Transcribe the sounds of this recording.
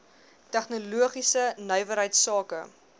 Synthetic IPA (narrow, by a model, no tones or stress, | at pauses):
tæχnuluəχisənœjvəɾɦəjtsɑːkə̰